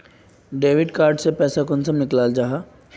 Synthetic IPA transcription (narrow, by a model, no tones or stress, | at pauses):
ɖeːʋɪɖkaːɾɖsepɛːsakʊnsanɪklaːld͡ʒaɦaː